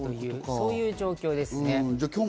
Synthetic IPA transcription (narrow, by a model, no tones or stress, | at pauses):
jɯːso̞ːjɯ̟ːʑo̞ːkʲo̞ːd̪e̞sɨ̃ned͡ʑakʲoː